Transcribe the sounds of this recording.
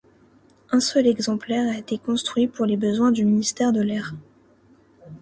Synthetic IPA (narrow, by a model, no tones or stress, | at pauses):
ɛ̃sœlɛɡzɑ̃plɛʁaet̪ekɔ̃st̪χɥipuʁlebəzwɛ̃d̪yminist̪ɛʁd̪əlɛʁ